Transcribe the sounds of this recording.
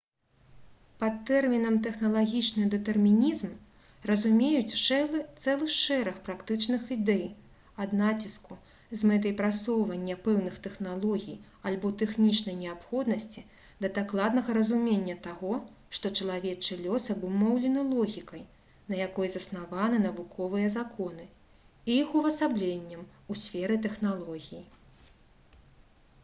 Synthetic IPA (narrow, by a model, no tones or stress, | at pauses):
pɐt̪ːɛrmʲinɐmt̪ɛxnɐlˠaɣʲit͡ʂnɨd̪ɛt̪ɛrmʲinʲizm | rɐzumʲejut͡sʲt̪sɛlˠɨxʂɛɾɐxpɾakt̪ɨt͡ʂnɨxid̪ɛj | ɐd̪nat͡sʲisku | zmɛt̪̬ɐjpɾasɔwvɐnʲːɐpɛwnɨxt̪ɛxnalˠɔɣʲij | alʲbɔt̪ɛxnʲit͡ʂnɐjnʲɛapxɔd̪nɐsʲt͡sʲi | d̪ɐd̪aklˠad̪nɐɣɐɾɐzumʲenʲːɐt̪aɣɔ | ʂt̪ɔt͡ʂɐlˠavʲɛt͡ʂɨlʲɔsɐbɨmɔwlʲɛnɨlˠɔɣʲikɐj | nɐjakɔjzɐsnavanɨnɐvukʰɔvɨjɐzakʰɔnɨ | iixuvɐsablʲenʲːɐmusʲfʲɛɾɨt̪ɛxnalˠɔɣʲiji